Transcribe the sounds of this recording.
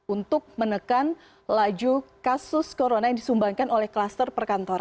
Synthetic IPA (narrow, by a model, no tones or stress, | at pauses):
unt̪ʊk̚mənəkan | lad͡ʒukasʊskoɾonajaŋdisumbaŋkanolɛhkəlast̪ərpərkant̪oɾa